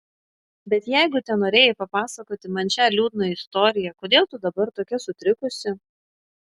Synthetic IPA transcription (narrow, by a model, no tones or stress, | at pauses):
bʲɛt̪jɛɪɡʊt̪ʲɛnoːɾʲeːjɛpɐpɑːsɐkoːt̪ʲɪmɐnʲt͡ʃʲæːlʲuːd̪noːɪst̪ɔːɾʲɪjɛkoːd̪ʲeːlˠt̪ʊd̪ɐbɐɾt̪oːkʲɛsʊt̪ʲɾʲɪkʊsʲɪ